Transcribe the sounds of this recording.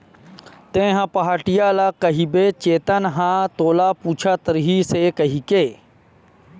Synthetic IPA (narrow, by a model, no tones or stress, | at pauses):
t̪ẽɦãpɐɦaːʈijaːlakɐɦibet͡ʃeːt̪ənɦãt̪oːlapuːt͡ʃʰat̪əɾɦisekɐɦikeː